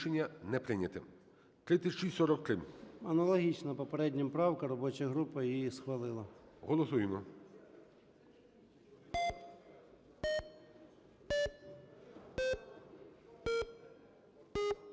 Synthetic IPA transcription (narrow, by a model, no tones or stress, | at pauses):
ʃenʲːɐnɛpɾɪnʲɐt̪ɪ̰ | t̪ɾɪt̪ʲɪt͡ʃisɔɾɔkt̪ɾɪɐnɐlˠɔɦʲit͡ʃnɐpɔpeɾɛdʲnʲɐmpɾɑwkɐɾɔbɔt͡ʃɐɦɾupɐjjisxʋɐlˠɪlˠɐɦɔlˠɔsujmɔ